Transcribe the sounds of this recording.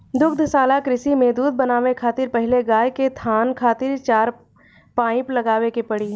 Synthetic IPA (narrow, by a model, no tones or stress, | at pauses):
d̪ʊkd̪ʱsaːlakɾɪsimẽd̪uːd̪̚bɐnaːʋekʰaːt̪ɪɾpɛɦɪleɡaːjket̪ʰaːnkʰaːt̪ɪɾt͡ʃaːɾ | pãːɪ̃plɐɡaːʋekepɐɽiɦ